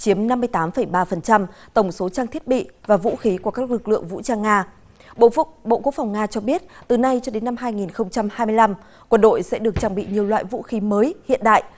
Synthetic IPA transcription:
t͡ɕi˨˦əmna˧mː˧əjt̪aː˨˦mfə˨˩jɓaː˧fə˨˩nt͡ɕa˧mt̪ə˧˩wŋ͡mso˨˦t͡ɕaː˧ŋt̪ʰi˦˥ət̚ɓḭ˧˨vaː˨˩vṵ˧˥xi˨˦ku˧˩kaː˦˥k̚lɨ˨˩k̚lɨ̰˧˨əŋvṵ˧˥t͡ɕaː˧ŋaː˧ | ɓo̰˧˨ɓo̰˧˨ku˦˥ək̚fa˨˩wŋ͡mŋaː˧t͡ɕɔ˧ɓi˦˥ət̚t̪ɨ˨˩na˧jt͡ɕɔ˧ɗe˨˦nːa˧mɦaː˧jŋi˨˩nxə˧wŋ͡mt͡ɕa˧mhaː˧jmɨ˧əjla˧m | kwə˧nɗo̰˧˨jsɛ̰˧˥ɗɨ˨˩ək̚t͡ɕaː˧˩ŋɓḭ˧˨ɲi˨˩əwlwa̰ː˧˨jvṵ˧˥xi˨˦məː˨˦jhḭ˧˨ənɗa̰ː˧˨j

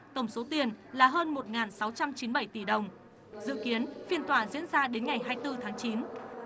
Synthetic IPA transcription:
t̪ə˧˩wŋ͡mso˨˦t̪i˧˩ənlaː˨˩ɦəː˧nmo˨˩t̚ŋaː˨˩nsa˨˦wt͡ɕa˧mt͡ɕi˨˦nɓa˧˩jt̪i˧˩ɗə˨˩wŋ͡m | zɨ̰˧˨ki˨˦ənfi˧˩ənt̪waː˧˩zḭ˧˥ənzaː˧ɗe˨˦nŋa˨˩jɦaː˧jt̪ɨ˧t̪ʰaː˨˦ŋt͡ɕi˨˦n

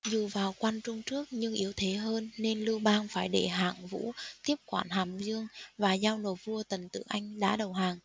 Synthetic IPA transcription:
zu˨˩vaː˨˩wkwa˧nt͡ɕʊ˧ŋ͡mt͡ɕɨ˦˥ək̚ɲɨ˧ŋʔi˨˦əwt̪ʰe˨˦ɦəː˧nːe˧nlɨ˧wɓaː˧ŋfaː˧˩jɗe˧˩ɦa̰ː˧˨˩ŋvṵ˧˥t̪i˦˥əp̚kwaː˧˩nɦaː˨˩mzɨ˧əŋvaː˨˩zaː˧wno˨˩vu˧ət̪ə˨˩nt̪ɨ̰˧˨ʔa˧jŋ̟ɗa̰ː˧˥ɗə˨˩wɦaː˨˩ŋ

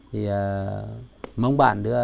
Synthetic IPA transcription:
t̪ʰi˨˩əː˨˩ | mə˧wŋ͡mɓa̰ː˧˨nɗɨ˧˦ə

